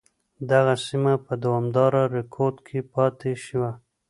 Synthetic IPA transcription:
d̪aɣasimapəd̪awɑmd̪ɑɾaɾɪkʰoɾɖ̪kʰepɑt̪eʃiwa

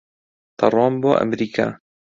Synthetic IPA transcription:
t̪ʰɑrˤwɑːmboːʔa̰mɾiːkʰa̰ː

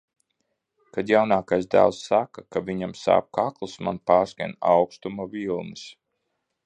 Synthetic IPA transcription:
kad̪jawnaːkajsd̪a̰lsːakakavʲiɲamsa̰ːp̚kaklˠusma̰npaːɾska̰nawkst̪umavilˠnɨs

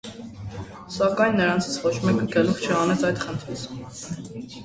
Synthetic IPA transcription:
sɑkɑjnːəɾɑnt͡sʰi̥t͡sʰvɔt͡ʃʰmɛkəɡəluχt͡ʃʰəɑnɛt͡sʰɑjd̪χənt̪ʰit͡sʰ

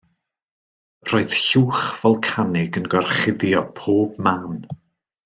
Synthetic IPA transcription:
roːɨð̥ɬuːχv̥ɔlˠkʰanɪɡənɡɔrχɪðjɔpʰoːb̥maːn

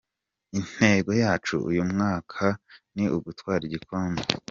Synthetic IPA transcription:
in̥he̞ːɡo̞jaːt͡ʃṵṵjumŋaːkʰaniʔuɡutwaːɾiɟikʰoːmbe

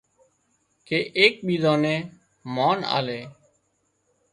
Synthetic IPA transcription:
kʰeːʔeːk̚ɓiːd̪õːnẽː | maːna̰ːleː

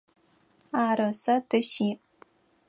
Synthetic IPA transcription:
aːɾɨsɐtʰɨɕiː

